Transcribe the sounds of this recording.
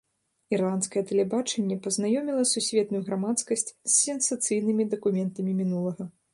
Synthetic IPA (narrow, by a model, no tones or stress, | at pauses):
irlˠant̪skɐjɛt̪ɛlʲɛbat͡ʂɛnʲːɛpɐznajɔmʲilˠɐsusʲvʲɛt̪nujuɣɾamat̪skɐsʲt͡sʲsːʲɛnsat̪sɨjnɨmʲid̪ɐkumʲɛnt̪ɐmʲimʲinulˠɐɣɐ